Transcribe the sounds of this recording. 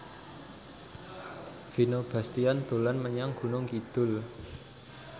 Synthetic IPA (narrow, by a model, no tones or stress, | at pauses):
finob̥a̤st̪iand̪̥o̤lanməɲaŋɡ̥ṳnʊŋkid̪̥ʊ̤l